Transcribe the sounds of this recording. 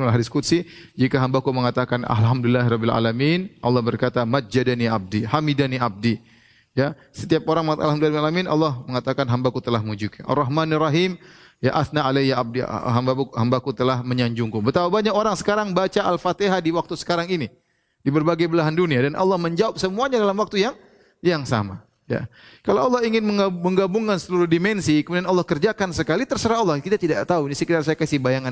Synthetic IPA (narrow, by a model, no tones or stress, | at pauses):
laɦadɪskut̪si | d͡ʒikaɦambakuməŋat̪akana̰lɦamdɪlːaɦɾɔbɪla̰laminʔa̰lːɑhbərkat̪amat̪̚d͡ʒadaniab̚dihamidaniab̚di | ja | sət̪iap̚oɾaŋməŋat̪alɦamdularbialaminʔa̰lːɔhməŋat̪akanɦambakut̪əlahmud͡ʒukaʔa̰rːɑɦmanɪrɑɦim | jaʔaθnaalɛjaʔa̰b̚diɦambauhambakut̪əlahməɲaɲd͡ʒuŋkubət̪apabaɲakoɾaŋsə̥kaɾaŋbat͡ʃaʔalfat̪eɦadiwak̚t̪usə̥kaɾaŋini | dibərbaɡajbəlaɦanduniadanʔɑ̰lːɑhməɲd͡ʒawap̚səmuaɲadalamwak̚t̪ujaŋ | jaŋsa̰ma̰ | ja̰kalawalːɑhiŋɪnməməŋɡabuŋkansəluɾʊhdimɛnsikəmudianɔlːɑhkərd͡ʒakansəkalit̪ərsəɾaɔlːɑhkit̪at̪idat̪auinisəkidarsajakasɪhbajaŋan